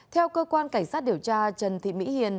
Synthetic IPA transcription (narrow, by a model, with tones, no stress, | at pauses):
t̪ʰɛ˧wkəː˧kwaː˧nkaː˧˩ŋ̟saː˦˥t̚ɗi˨˩əwt͡ɕaː˧t͡ɕə˨˩nt̪ʰḭ˧˨mḭ˧˥hi˨ən